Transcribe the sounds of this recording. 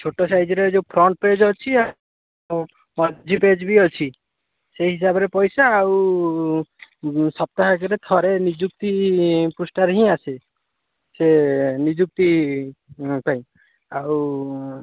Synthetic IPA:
t͡ʃʰoʈɔsajd͡ʒɔɾed͡ʒew̃pʰɾɔɳʈ̚ped͡ʒɔt͡ʃʰia | mɔd͡ʒʱiped͡ʒbiɔt͡ʃʰi | seɦisabɔɾepɔjsaːw | sɔb̚t̪aɦakɔɾet̪ʰɔɾenid͡ʒuk̚t̪ipusʈaɾɦĩasʰe | senid͡ʒuk̚t̪i | paj̃ | aw

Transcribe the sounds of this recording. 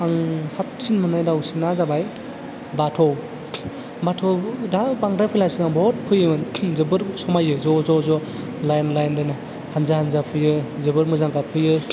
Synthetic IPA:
aŋsʰap̚sinmɯnajdawsinazabaj | batʰɔw | batʰɔwdabaŋɾapʰɯjlasiŋaŋbɔt̚pʰɯjɯmɯnzɯbɯɾsɔmajɯzɔzɔzɔ | lajnlajndanɯ | hanzahanzapʰɯjɯzɯbɯɾmɯzaŋkapʰɯjɯ

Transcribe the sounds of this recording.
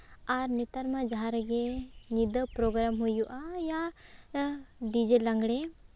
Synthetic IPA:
aɾnit̪aɾmad͡ʒaɦaɾɡenid̪əpɾoɡɾamɦujuʔaja | ɖid͡ʒelaŋɡɽe

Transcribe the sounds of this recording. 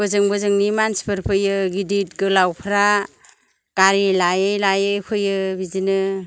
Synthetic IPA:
bɯzɯŋbɯzɯŋnimanspʰɯɾpʰɯjɯɡidit̚ɡɯlawpʰɾa | ɡ̥aɾilajɯjlajɯjkʰɯjɯbizinɯ

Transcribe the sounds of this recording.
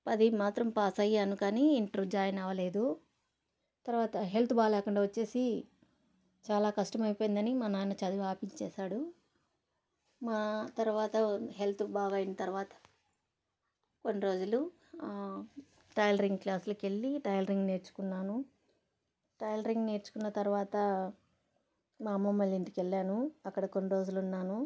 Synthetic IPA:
pɐd̪imaːt̪ɾɐmpaːsɐjɐnukaːniːɳʈɾud͡ʒaːjɐnɐʋɐle̞ːd̪u | t̪ɐɾuʋaːt̪ɐɦe̞lt̪ubaːɡlɛːkuɳɖaːʋɐt͡ʃːe̞ːsi | t͡ʃaːlaːkɐʂʈɐmɐjpo̞ːjind̪ɐnimɐnaːjnɐt͡ʃɐd̪iʋaːpiɲt͡ʃɛːʃaːɽu | maːt̪ɐɾuʋaːt̪ɐɦe̞lt̪ubaːɡɐjinɐt̪ɐɾuʋaːt̪ɐ̥ | konːiɾo̞ːd͡ʒulu | ʈɐjlɐɾiŋɡklaːslɐke̞ɭːiʈɐjlɐɾiŋɡne̞ːɾt͡ʃu̥kunːaːnu | ʈɐjlɐɾiŋɡne̞ːɾt͡ʃu̥kunːɐt̪ɐɾuʋaːt̪ɐ | maːmɐmːɐljind̪ikelːaːnuɐkːɐɽɐko̞nːiɾo̞ːd͡ʒulunːaːnu

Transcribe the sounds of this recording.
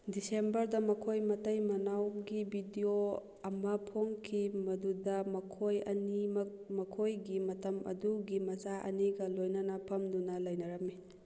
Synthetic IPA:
disembɐɾdɐmɐkʰojmɐtɐjmɐnawɡibʱidio | ɐmɐpʰoŋkʰimɐdudɐmɐkʰojɐ̰nim | mɐkʰojɡimɐtɐmɐ̰duɡimɐzaʔɐ̰niɡɐlojnɐnɐpʰɐmdunɐlɐjnɐɾɐmi

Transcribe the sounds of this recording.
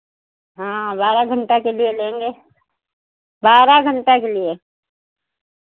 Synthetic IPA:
ɦãːbaːɾaɡʱəɳʈakelielẽːŋɡeː | baːɾaɡʱəɳʈakelie

